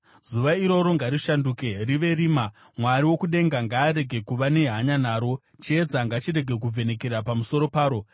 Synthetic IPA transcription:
z̥uʋaiɾo̞ɾo̞ŋɡaɾiʃanduːke̞riʋe̞riːma | mwaɾiwo̞kuɗe̞ŋɡaŋɡaːɾe̞ɡʱe̞kuʋane̞ɦaɲanaːɾo̞ | t͡ʃeːd͡zaŋɡat͡ʃiɾe̞ɡʱe̞kuvʱe̞ne̞ke̞ɾapamuso̞ɾo̞paːɾo̞

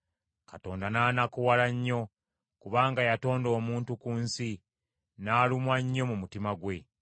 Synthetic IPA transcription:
kato̞ːndanaːnakuwalaɲːo̞ | kuβaːŋɡajato̞ːndo̞ːmuːntukuːnsi | naːlumwaɲːo̞mumutimaɡwe̞

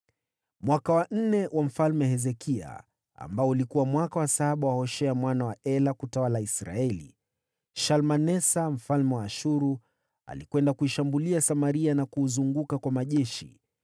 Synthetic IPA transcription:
mwakawan̩nɛwʔam̩falmɛɦɛzɛkʰia̰ | a̰mbaɔulikuwamwakawasaaɓawahɔʃɛamwanawaʔɛlakutawalaisɾa̰ɛlḭ | ʃalmanɛsam̩falmɛwaːʃuɾu | a̰likwɛndakuiʃambuliasamaɾianakuzuŋɡukakwamaʄɛʃḭ

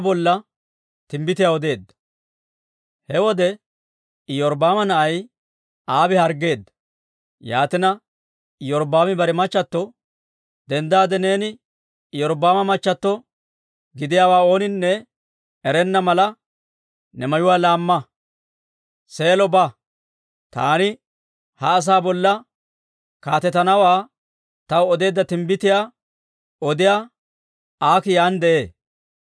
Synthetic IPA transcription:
bɔlːɐ | t̪ɪmbɪt̪ɪjawɔd̪e̞ːd̪ːɐ̥ | hɛwɔd̪ɛ | jɔɾbaːmɐnɐʔɐj | aːbɪhɐɾɡe̞ːd̪ːɐ̥ | jaːt̪ɪnɐ | jɔɾbaːmɪbɐɾɛmɐt͡ʃːɐt̪ːɔ | d̪ɛnd̪aːd̪ɛne̞ːnɪ | jɔɾbaːmɐmɐt͡ʃːɐt̪ːɔ | ɡɪd̪ɪjaːwaːo̞ːnɪnːɛ | ɛɾɛnːɐmɐlɐ | nɛmɐjʊwaːlaːmːɐ | se̞ːlɔbɐ | t̪a̰ːnɪ | hɐːs̬aːbɔlːɐ | kaːt̪ɛt̪ːɐnɐwaː | t̪ɐwɔd̪e̞ːd̪ːɐt̪ɪmbɪt̪ɪjaː | ɔd̪ɪjaː | aːkɪjaːnd̪ɛʔeː

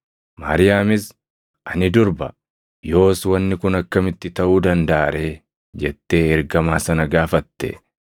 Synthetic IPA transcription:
ma̰ɾɪjaːmɪs | ʔɐnɪd̪ʊɾbɐ | jo̞ːswɐnːɪkʊnɐkːɐmɪt̪ːɪt̪ɐʔuːd̪ɐnd̪ɐʔaːɾe̞ː | d͡ʒɛt̪ːe̞ːɛɾɡɐmaːsɐnɐɡaːfɐt̪ːɛ̰

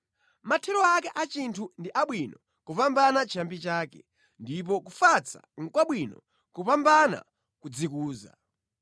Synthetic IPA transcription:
matʰɛɾɔakɛʔat͡ʃintʰundiʔaɓwinɔ | kupambanat͡ʃʰambit͡ʃaːkɛ̰ | ndip̬ɔkufat͡sʰa̰ŋ̩kwaɓwinɔ̰ | kupambana̰ | kud͡zikuːza̰

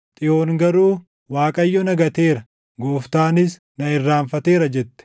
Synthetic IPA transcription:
t̪ʼɪjo̞ːŋɡɐɾuː | waːkʼɐjːɔnɐɡɐt̪e̞ːɾɐ | ɡoːft̪aːnɪs | nɐɪrːaːɱfɐt̪e̞ːɾɐd͡ʒɛt̪ːɛ̥

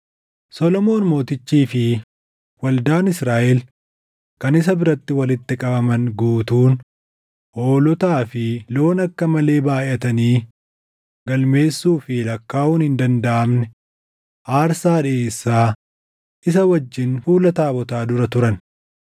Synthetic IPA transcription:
sɔlɔmo̞ːnmo̞ːt̪ɪt͡ʃːiːfɪ | wɐld̪aːnɪsɾaːʔɛl | kɐnɪs̬ɐbɪɾɐt̪ːɪwɐlɪt̪ːɪkʼɐbɐmɐnɡuːt̪uːn | ʔoːlɔt̪aːfɪlo̞ːnɐkːɐmɐle̞ːbaːʔɪʔɐt̪ɐniː | ɡɐlme̞ːsːuːfɪlɐkːaːuːnhɪnd̪ɐnd̪ɐʔɐmnɛ | ʔaːɾsaːᶑɪeːsːaː | ʔɪs̬ɐwɐd͡ʒːɪnfuːlɐt̪aːbɔt̪aːd̪ʊɾɐt̪ʊɾɐn

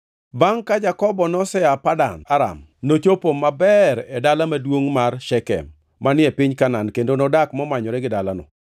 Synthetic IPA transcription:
baŋkad͡ʒakɔbɔnɔsɛapada̰naɾa̰m | not͡ʃopomːabɛɾɛdalamadwoŋmarʃɛkɛ̰m | manɪɛpɪɲkanankendonɔdakmɔmaɲɔɾɛɡɪdalanɔ̰

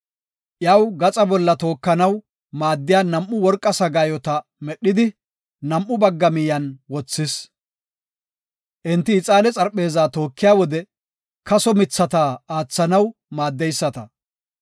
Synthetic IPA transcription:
ʔjɐwɡɐt͡sʼɐbɔlːɐt̪o̞ːkːɐnɐw | maːd̪ːɪjaːnɐmʔːʊwɔɾkʼːɐsɐɡaːjɔt̪ɐmɛɗːɪd̪ɪ | nɐmʔːʊbɐɡːɐmɪjɐnwɔt͡sːɪs | ʔɪnt̪ːɪːt͡sʼaːlɛt͡sʼɐɾpʼːe̞ːzaːt̪o̞ːkːɪjaːwɔd̪ɛ | kɐsɔmɪt͡sːɐt̪aːaːt͡sːɐnɐwmaːd̪ːɛjsːɐt̪ɐ

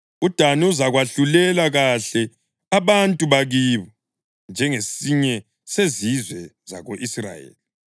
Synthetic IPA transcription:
ud̥ʱaniuzaɣwaɬulɛlaɣaɬɛ | aβantʼuβaɣiːβɔ | nd͡ʒʱɛŋesiɲɛ | sezizwɛza̰ɣoʔisra̰jḛːli

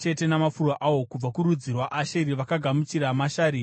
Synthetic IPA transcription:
t͡ʃe̞te̞namafurwaʔawo̞kub͡vakuɾud͡zirwaʔaʃeiɾiʋakaɡʱamut͡ʃiɾamaʃaːɾiː

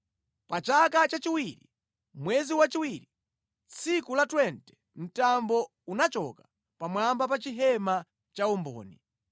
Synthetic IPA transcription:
pat͡ʃakat͡ʃat͡ʃiwiɾḭ | mwɛziwat͡ʃiwiɾi | t͡sʰikulatwɛntɛ̥ | n̩tambɔ | unat͡ʃɔkḁ | pamwambap̬at͡ʃiɦɛma | t͡ʃaumbɔ̰ːni

